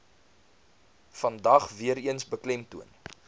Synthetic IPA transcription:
fɐndɐχviəɾiənsbəklɛmtuən

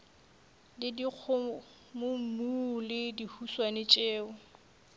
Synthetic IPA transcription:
lɪdik͡xʰʊ | mʊm̩mulɪdihuswanɪt͡ʃʼeːʊ

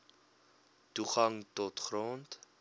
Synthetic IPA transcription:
tuχɐŋtɔtχront

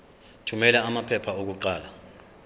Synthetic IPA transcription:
tʰumɛlaamapʰɛpʰaok̬uǃaːla

